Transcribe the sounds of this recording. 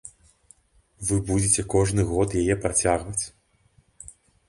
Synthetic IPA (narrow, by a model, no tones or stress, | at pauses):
vɨbud͡zʲet͡sʲɛkɔʐnɨɣɔt̪jajɛpɾat͡sʲaɣvɐt͡sʲ